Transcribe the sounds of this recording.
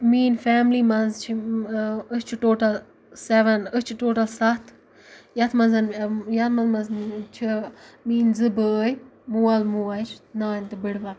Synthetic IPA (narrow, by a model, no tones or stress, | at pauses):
miːnfɛːmlimɐnzt͡ʃʰi | ət͡ʃʰʈoːʈɐl | seʋɐnət͡ʃʰʈoːʈɐlsɐt̪ʰ | jɐt̪ʰmɐzɐnjɐt̪ʰmɐnzmɐzt͡ʃʰimiːnzɨbəːjmuːɐlmuːɐt͡ʃʰnaːnʲt̪ɨbɨɽʋɐl